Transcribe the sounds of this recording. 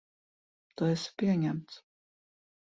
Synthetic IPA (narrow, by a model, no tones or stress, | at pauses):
t̪ɔɛspʲiɛɲæmt̪s